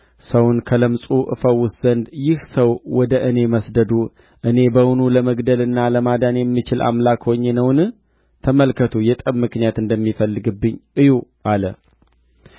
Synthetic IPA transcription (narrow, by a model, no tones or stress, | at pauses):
səwnkʰələmsʼuʔɨ̰fəwːʊsz̥ənd̪jɪhsəwwɔd̪əʔɨne̞məsd̪əd̪u | ʔɨne̞bəwunuləməɡd̪əlɨnːaləmad̪anjɛmːit͡ʃɪlʔa̰mlakhoɲːenəwnɨ | t̪ʰəməlkʰət̪ʰujɛt̪ʼəβmɨknijat̪ɨnd̪əmːifəlːɨɡɨbːɨɲːʔɨjuʔalə̰